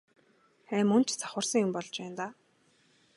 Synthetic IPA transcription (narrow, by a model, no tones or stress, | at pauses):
xæːmɵnt͡ɕt͡sʰḁχʊ̆rsə̆ŋjʊmpɔɮt͡ɕpæːnt̪aː